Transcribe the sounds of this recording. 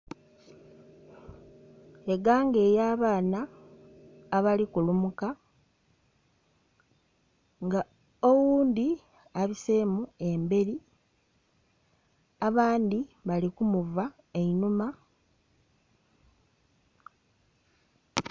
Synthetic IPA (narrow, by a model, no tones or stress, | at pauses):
e̞ɡaːŋɡe̞ːjaːβaːnaː | βalikulumuka | ŋɡa | owuːnd̪i | aβisemue̞mbe̞ɾi | aβaːnd̪iβalikumuva | einuma